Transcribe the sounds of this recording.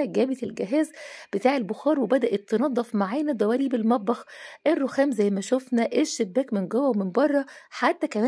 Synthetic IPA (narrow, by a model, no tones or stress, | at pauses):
ɡæːbet̪elɡeɦæːzb̥et̪aːʕelboxɑːɾˤwebæd̪æʔet̪ːɑnɑd̪ˤːɑfmaʕajnæd̪ˤæwæːɾiːbelmæd̪̚ˤbɑxʔerːoxæːmzæjːmæʃofnæʔeʃːebːæːkmenɡowæwmenbɑrˤːɑħat̪ːækæmæː